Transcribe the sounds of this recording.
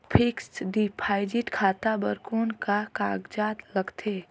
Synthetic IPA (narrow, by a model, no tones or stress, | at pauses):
pʰɪksɖipʰaːɪd͡ʒɪʈkʰaːt̪abəɾkuːnkakaːɡd͡ʒaːt̪ləɡt̪ʰeː